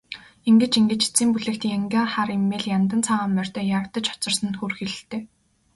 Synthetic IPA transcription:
iŋɡɘ̆t͡ɕiŋɡɘ̆t͡ɕi̥t͡siːmpuɮĕkt̪jaŋɡʲaːχaɾemːeːɮjant̪ə̆nt͡sʰaːʁaːmmːœr̥ʲt̪œːjaɾə̆kt̪ə̆t͡ɕɔ̥t͡sɞ̆rsə̆nxurxeɮɘ̆ɬt̪eː

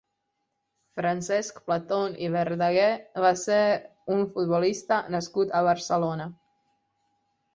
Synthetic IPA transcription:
fɾansɛskplat̪oniβeɾd̪aɣeβaseɾ | unfut̪̚βolist̪anaskut̪aβaɾsəlona

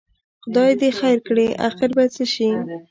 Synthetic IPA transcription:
xʊd̪ɑjed̪exajɾkɽeʔa̰xɪɾbat͡səʃi

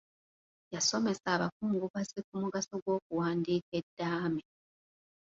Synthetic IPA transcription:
jaso̞me̞saːβak̚uːŋɡuβazik̚umuɡasoɡwo̞ːkuwaːndiːke̞dːaːme

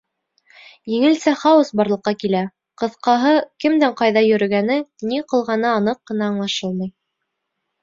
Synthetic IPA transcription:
jɘ̆ŋɘ̆lsæχɑwɤsbɑɾlˠɤ̆qːɑkilæ | qɤ̆θqɑɦɤkɘmd̪æɴqɑjðɑjɵ̆ɾɘ̆ɡænɘniqɤ̆lˠʁɑnɤːnɤqːɤ̆nɑːɴlˠɑʃɤlˠmɤj

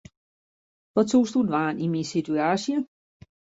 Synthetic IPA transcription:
ʋɒt͡sʰo̰ːsd̥udʋaːnimisidʰuaɕjə

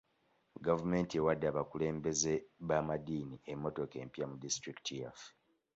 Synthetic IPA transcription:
ɡavume̞ːntie̞wadːaːβakule̞ːmbe̞ze̞βamadiːniemːo̞to̞ke̞ːmpjamudistɾiki̥tiaf

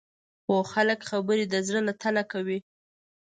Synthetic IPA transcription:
xoxaləkxabəɾid̪əzɽəlat̪ʰalakawi

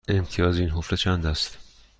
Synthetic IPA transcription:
e̞mt̪ʰijɒːzeiːnɦoflet͡ʃʰænd̪æst̪

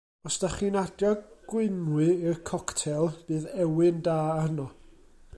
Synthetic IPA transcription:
ɔsd̥aχiːnadjɔɡ̥wɪnwɨirkʰɔktʰɛlˠb̥ɨːðɛwɨndaːahənɔ

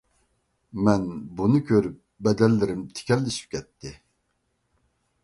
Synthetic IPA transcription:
mɛnbunɨkʲʰøɾyp̚bɛd̪ɛlːɪɾimt̪ʰi̥kʲʰɛlːiʃi̥p̚cʲʰɛt̪ːɪ

